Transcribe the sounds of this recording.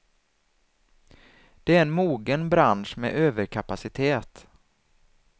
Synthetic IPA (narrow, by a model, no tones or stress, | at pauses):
d̪̥ɛæɾɛnmuːɡənbɾanʂmɛ̰ʔøːvəɾkʰapasɪt̪ʰeːt̪